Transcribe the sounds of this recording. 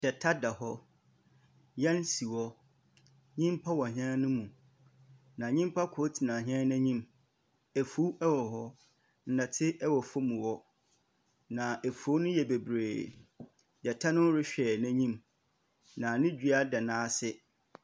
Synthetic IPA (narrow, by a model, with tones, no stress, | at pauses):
d̥ɛ˨tʰa˦da˨hɔ˦ | jɛ̃˦n˦si˨wɔ˦ | ɲĩ˦m˦pʰa˦wɔ˨ɦã˦nʊ̃˦mũ˨ | nã˨ɲĩ˦m˦pʰa˦kʰʊ˨˦tʰi˨nã˨ɦã˦nɛ̃˦ɲĩ˦m | ɛ˨fu˦ɛ˦wɔ˨ɦɔ˦ | n̩˦nã˨tʰɪ˦ʔɛ˦wɔ˨fʊ˦mũ˨wɔ˦ | nã˨e˨fo˦nʊ̃˦jɛ˨be˨bɾeː˨ | jɛ˨tʰa˦nʊ̃˦ɾɪ˦ɕᶣɛː˨næ̃˦ɲĩ˦m | nã˨nɪ̃˦d͡ʑᶣi˦a˦dɛ˨nãː˦sɪ˦